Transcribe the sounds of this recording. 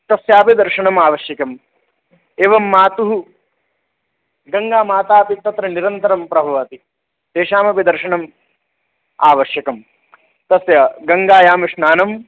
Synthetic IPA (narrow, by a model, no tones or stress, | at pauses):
t̪ɐsjaːpid̪ɐɾʂɐɳɐmaːʋɐʃjɐkɐm | eːʋɐmːaːt̪uɦu | ɡɐŋɡaːmaːt̪aːpit̪ɐt̪ɾɐniɾɐnt̪ɐɾɐmpɾɐbʱɐʋaːt̪i | t̪eːʃaːmɐpid̪ɐɾʃɐɳɐm | aːʋɐʃjɐkɐm | t̪ɐsjɐɡɐŋɡaːjaːmɐʂnaːnɐm